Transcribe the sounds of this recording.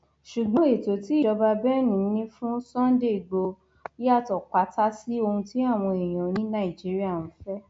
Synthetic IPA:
ʃu˨ɡ͡bɔ̃˨˦e˨to˨˦ti˨˦i˦˨ɔ˧ba˧bɛ˦nũ˨˦nĩ˦fũ˦sɔ̃˦n˦de˦˨i˨ɡ͡bo˧ | i˦a˦˨tɔ˨k͡pa˨˦ta˦si˦o˧hũ˧ti˦a˦˨w̃ɔ̃˧e˨j̃ã˨˦nĩ˦nã˦i˨d͡ʒi˨˦ɾi˦a˦˨ñ̩˨˦fɛ˦

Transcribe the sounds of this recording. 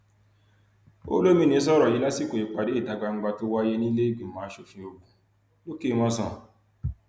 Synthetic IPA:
o̰˦lo˦mĩ˦˨nĩ˧˦s̬ɔ˦ɾɔ˨ji˨˦la˦si˦˨ko˨i˨k͡pa˨de˨˦i˦˨da˨˧ɡa˨˧ŋ͡m̩˦ɡ͡ba˧to˦wa˦je˦nĩ˦le˦i˦˨ɡ͡bĩ˨mãː˨˦ʃo˧˨fĩ˧o˧ɡũ˨ | lo˦ke˦˧mã˦s̬ã˦˨

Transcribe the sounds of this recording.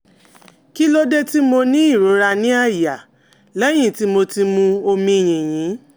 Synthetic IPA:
ki˦lo˦de˦ti˦mo˧nĩ˦i˦˨ɾo˨˦ɾa˧nĩ˦a˦˨ja˨ | lɛ˦j̃ĩ˦˨ti˦mo˧ti˧mũ˧o˧mĩ˧˨j̃ĩ˨j̃ĩ˨˦

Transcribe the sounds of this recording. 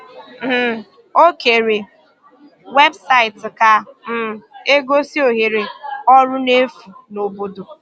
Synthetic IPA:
m̩˨ | o˦ke˨ɾe˨ | we˦bsa˦ɪ˨tɪ˨ka˨m̩˦˨e˦ɡo˦si˦o˨ɦe˨ɾe˨ɔ˦ɾʊ˦ne˦fu˨no˨bo˦do˨

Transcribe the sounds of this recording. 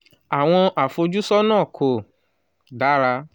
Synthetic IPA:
a˨w̃ɔ̃˧ʔa˨fo˧d͡ʒu˦sɔ˦nã˦˨kʰo˨ | ɖa˨˦ɾa˦

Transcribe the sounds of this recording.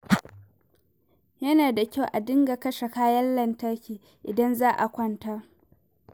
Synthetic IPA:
jɐ˦naː˨da˨kʲa˦˨wʔa˨dɪ˦ŋɡa˨kɐ˦ʃe˨kaː˦jɐ˦nlɐ˦ntɐ˦kʲiː˨ | ʔɪ˨dɐ˦nzaː˦ʔa̰˨kʷɐ˦ntaː˦

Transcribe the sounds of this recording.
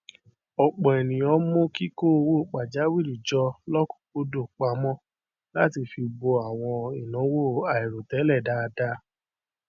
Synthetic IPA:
ɔ˨k͡pɔ̃˨ɛ˨nĩ˨ɔ˦mõ˦ki˦ko˦˧wo˦˨k͡pa˨d͡ʒa˨˦wi˦˨ɾi˨d͡ʒɔ˧lɔ˦kũ̥˦˨ko˦do˦˨k͡pa˨˦mɔ̃˦ | la˦ti˧fi˧bo˧a˨w̃ɔ̃˧i˨nã˨˦wo˦˨a˨i˨ɾo˨tɛ˨˦lɛ˦˨da˧˦˧da˦

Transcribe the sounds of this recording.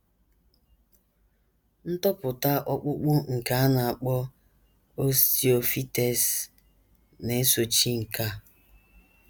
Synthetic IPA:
n̩˦tɔ˦pʊ˨ta˦ʔɔ˦k͡pʊ˦k͡pʊ˦ŋ̩˨ka˨˦a˦na˨a˨k͡pɔ˦ | o˦sti˦o˨fi˦te˨s | ne˨e˦so˨t͡ʃi˦ŋ̩˨ka˦˨

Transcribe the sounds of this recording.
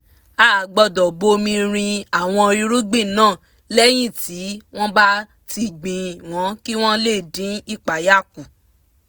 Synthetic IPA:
a˨˦˨ɡ͡bɔ˧dɔ˨bo˧mĩ˧ɾ̃ĩ˧a˨w̃ɔ̃˧ɾi˧ɾu˦ɡ͡bĩ˦˨nãː˦˨ | lɛ˦j̃ĩ˦˨ti˨˦w̃ɔ̃˦ba˦ | ti˧ɡ͡bĩ˨w̃ɔ̃˨˦ki˦w̃ɔ̃˦le˦˨dĩ˨˦i˦˨k͡pa˨ja˦˨ku˨

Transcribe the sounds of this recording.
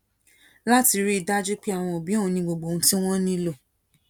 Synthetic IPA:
la˦ti˧ɾi˦i˧da˦d͡ʒu˦k͡pi˦a˦˨w̃ɔ̃˧o˨bi˨˦õ˦˨ũ˧nĩ˧ɡ͡bo˨ɡ͡bo˨ũ˦ti˦w̃ɔ̃˦nĩ˦lo˦˨

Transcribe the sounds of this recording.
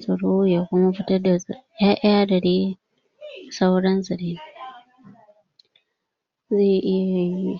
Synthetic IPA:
zɐ˨ɽo˦ja˨kʷʊ˦ma˦ɸɪ˦tɐ˦rda˨jaː˦ʔɪ˦ja˦dɐ˨ɽeː˦ | sa˦wɽɐ˦nzɐ˨ɽeː˦ | ze˦˨ʔɪ˦ja˨ji˦

